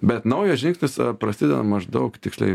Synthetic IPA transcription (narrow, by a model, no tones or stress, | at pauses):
bʲɛt̪nɐʊjɛsʒʲɪŋksʲnʲɪspɾɐsʲɪd̪ʲɛnɐ̰mɐʒd̪ɐʊkt̪ʲɪksʲlʲɛ̰ɪ